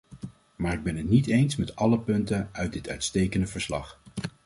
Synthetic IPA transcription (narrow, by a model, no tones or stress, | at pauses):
maːɹɪɡ̚bɛnɦətnitejnsmɛtɑləpɵntənœɥt̚dɪtœɥtstejkəndəvəɹslɑ̰χ